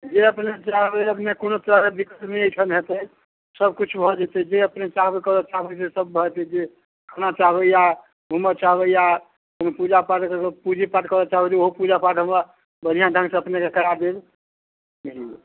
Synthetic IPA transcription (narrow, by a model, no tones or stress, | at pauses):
d͡ʒeəpnet͡ʃaɦbeəpnekonot̪əɾaked̪ikət̪nəəjʈʰənɦet̪ə | səb̚kut͡ʃʰbʱɔd͡ʒɛt̪ɛd͡ʒeəpnet͡ʃaɦbekəɾɔt͡ʃaɦbəsesəb̚bʱɔt̪ɛd͡ʒe | kʰənat͡ʃaɦbəja | bʱumət͡ʃaɦbəja | konopud͡ʒapaʈkkepud͡ʒʱipaʈkəɾɔt͡ʃaɦbɛt͡ʃ̪oɦopud͡ʒapaʈɦə̃mba | bədijãɖʱə̃ŋɡseəpnekekəɾaɾd̪eb | ɦi